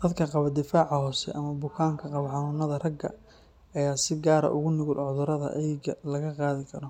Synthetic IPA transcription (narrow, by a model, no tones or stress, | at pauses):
d̪̥ɐd̪kʰɐqɑβɐd̪ɪfaːʕɑhɔːsɛ̰ʔɐmɐbʊkʰaːŋkʰɐqɑβɐħɑnuːnɐðɐrɐɡːɐ̰ | ɐjaːsɪɡaːɾɐ̰ʔʊɣʊnɪɣʊlʕʊðʊɾɐðɐ̰ʔɐlɐɣɐqɑːðɪkʰɐɾɔ